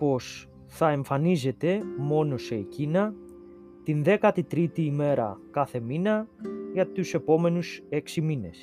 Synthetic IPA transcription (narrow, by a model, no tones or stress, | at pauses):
po̞s | θɐe̞ɱfɐnize̞t̪e̞mo̞no̞se̞icinɐ | t̪inðe̞kɐt̪it̪ɾit̪iːme̞ɾɐ̰kɐθe̞minɐʝɐt̪use̞po̞me̞nuse̞ksimine̞̰s